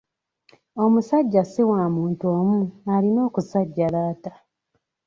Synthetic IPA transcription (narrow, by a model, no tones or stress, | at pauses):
o̞musaɟːasiwamuːntoːmualino̞ːkusaɟːaɾaːta